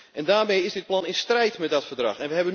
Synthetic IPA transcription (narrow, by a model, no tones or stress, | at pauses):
ʔɛndaːrmejɪzdɪt̚plɑnɪnstrɛjtmɛt̚dɔtfərdrɑ̰xɛnʋəɦɛbən